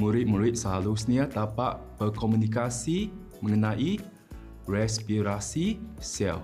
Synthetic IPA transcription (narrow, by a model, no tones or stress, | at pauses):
muɾɪt̪̚muɾɪt̪̚saɦalusniat̪apaʔb̥ərkɔmunikasi | məŋənaʔi | rɛspiɾasisɛ̰lf